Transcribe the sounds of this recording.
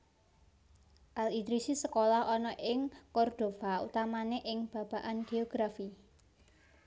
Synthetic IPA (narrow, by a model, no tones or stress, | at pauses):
ʔalid̪ɾisisəkolaɦɔnɔʔɪŋkɔrd̪̥o̤faṵt̪amaneʔɪŋb̥ä̤b̥a̤ʔanɡ̥e̤oɡ̥ɾafi